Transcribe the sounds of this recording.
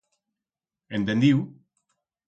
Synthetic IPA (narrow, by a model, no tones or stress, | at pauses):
ent̪end̪iw